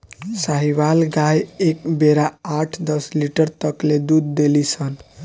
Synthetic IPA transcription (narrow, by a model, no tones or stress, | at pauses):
saɦibalɡajekbeɾaaʈʰd̪ʌsliʈəɾt̪ʌkled̪ud̪̚ːelisʰʌn